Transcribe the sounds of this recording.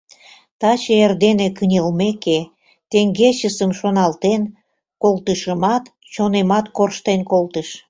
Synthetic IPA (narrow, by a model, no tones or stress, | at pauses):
t̪ɑt͡ɕeerd̪enekənʲəlmeke | t̪eŋɡeɕəsəmʃonɑlt̪en | kolt̪əʃəmɑt̪ | t͡ɕonemɑt̪korʃt̪enkolt̪əʃ